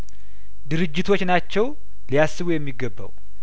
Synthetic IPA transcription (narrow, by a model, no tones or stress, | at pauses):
d̪ɨɾɨd͡ʒːɪt̪ʰo̞t͡ʃːnat͡ʃːɛw | lijasːɨβujɛmːiɡːəbːə̰w